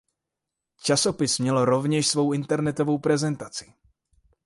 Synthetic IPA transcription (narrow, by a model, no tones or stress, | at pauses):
t͡ʃaso̞pɪsmɲɛloɾo̞vɲɛʃsvo̞wʔɪnt̪ɛɾnɛt̪ovo̞wpɾɛzɛnt̪at͡sɪ̥